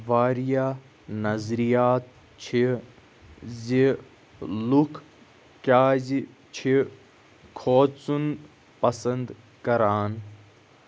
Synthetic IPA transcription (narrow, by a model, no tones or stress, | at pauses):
ʋaːɾija | nɐzɾijaːt̪̚ | t͡ʃʰi | zi | lukʰ | kʲaːzi | t͡ʃʰi | kʰoːt͡sun | pɐsɐnd̪ | kɐɾaːn